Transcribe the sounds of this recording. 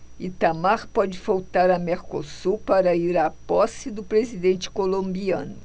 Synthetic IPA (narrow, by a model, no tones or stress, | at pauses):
it̪amaɾpɔd͡ʒɪfawt̪aɾɐmeɾkosupaɾɐiɾapɔsɪd̪ʊpɾezid̪ẽnt͡ʃɪ̥kolõmbiɐ̰̃nʊ